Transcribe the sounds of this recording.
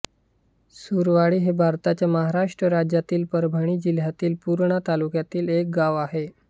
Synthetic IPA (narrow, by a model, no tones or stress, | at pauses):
suɾʋaɽiːɦebʱaɾt̪at͡ɕjaməɦaɾaʂʈɾəɾad͡ʑjat̪iːlpəɾbʱaɽ̃iːd͡ʑil̤jat̪iːlpuɾɳət̪alukjat̪iːlek̚ɡaʋaɦe